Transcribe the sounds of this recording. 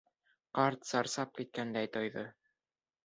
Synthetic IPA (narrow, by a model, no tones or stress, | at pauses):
qɑɾt̪sɑɾsɑp̚kit̪̚kænd̪æjt̪ojðɤ